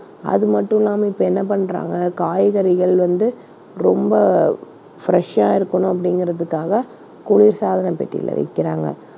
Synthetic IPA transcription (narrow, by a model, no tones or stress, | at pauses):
ɐ̰ðɯmɐʈːɯ̃laːmɐɪpːɐɛnːɐp̬ɐɳːɾa̰ːŋɡɐkaːjɣɐɾɪɣɐɭʋɐnd̪ɯ | ɾɔmbɐ | fɾɛʂaːɪɾɯkːɐɳʊ̃ɐp̬ːɐɽɪŋɡɪɾɐðɯkːaːɣɐ | kʊɭɪɾsaːðɐnɐpɛ̰ʈːɪ̰lːɐ̰ʋɐ̰ɪkːɪɾaːŋɡɐ̰